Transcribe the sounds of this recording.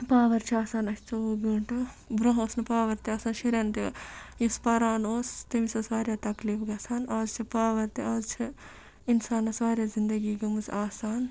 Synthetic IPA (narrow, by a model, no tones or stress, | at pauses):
paːʋɐɾt͡ʃʰiaːsaːnɐsʲt͡ʃoːɡɐɳʈɨ | bɾɐ̃ɦoːsnɨpaːʋɐɾt̪iaːsaːnʃiɾʲɐnt̪ijuspɐɾaːnoːst̪ɐmisɐsʋaːɾʲjaːt̪ɐkliːfɡɐsaːnaːzt͡ʃʰipaːʋɐɾt̪iaːzt͡ʃʰi | insaːnɐsʋaːɾjaːzind̪ɐɡiːɡɐmɨsaːsaːn